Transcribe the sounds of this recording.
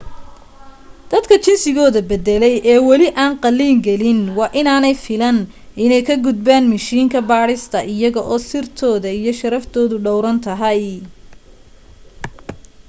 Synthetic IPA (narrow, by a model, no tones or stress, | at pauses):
d̪̥ɐd̪kʰɐt͡ʃɪnsɪɣɔːðɐbɛd̪ɛlɛjʔɛːwɑlɪʔaːnqɑlːiːŋɡɛlɪnwɑːʔɪnaːnɛjfɪlɐn | ʔɪnɛjkʰɐɡʊd̪̚baːnmɐʃiːŋkʰɐbaːɽɪst̪ʰɐʔɪjɐɣɔʔɔːsɪrt̪ʰɔːðɐijɞʃɐɾɐft̪ʰɔːðʊɖɔwɾɐnt̪ʰɐɦɐj